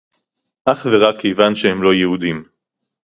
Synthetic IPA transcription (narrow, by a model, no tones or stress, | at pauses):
ʔaχve̞ʁakʰːejvanʃehemlo̞jehud̪im